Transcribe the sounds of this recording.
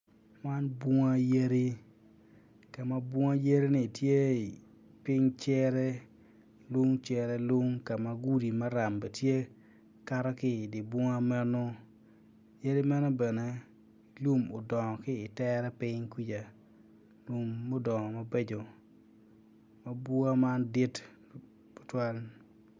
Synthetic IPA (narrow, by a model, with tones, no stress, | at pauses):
ma˦nbwɔ˦ŋa˦je˦ɾi˦ | ka˨ma˦bwɔ˦ŋa˦je˦ɾi˦nɪ˨tje˦˨ | pɪ˦ɲt͡ʃɛ˦ɾɛ˦ | lʊ˦ŋt͡ʃɛ˦ɾɛ˦lu˦ŋka˨ma˦ɡu˦di˨ma˦ɾa˨mbe˨tje˦ | ka˦ɾa˦kɪ˦˨dɪ˨bwɔ˦ŋa˦mɛ˦no˦ | je˦ɾi˦mɛ˦nɔ˦bɛ˨nɛ˦ | lu˦mo˨dɔ˨ŋɔ˨kɪ˦ɪ˨tɛ˦ɾɛ˦pɪ˦ɲkwi˦d͡ʒa˨ | lu˨mːo˦dɔ˨ŋɔ˨ma˦be˦d͡ʒo˨ | ma˦bʊ˦a˦ma˦ndi˦t | po̥˨twa˦l